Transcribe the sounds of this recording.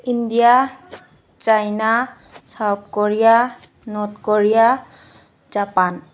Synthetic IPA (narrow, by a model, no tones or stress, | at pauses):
indija | t͡ʃajna | sawp̚koɹija | nɔt̪koɹija | zapan